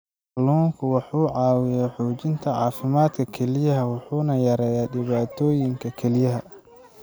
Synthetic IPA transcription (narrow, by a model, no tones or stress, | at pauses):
luːŋkʰʊwɑħuːʕɑːwɪjaħuːt͡ʃɪnt̪ʰɐʕɑːfɪmaːd̪kʰɐkʰɛlɪjɐɦɐwɑħuːnɐjɐɾɛːjaːɖɪβaːt̪ʰɔːjɪŋkʰɐkʰɛlɪjɐɦɐ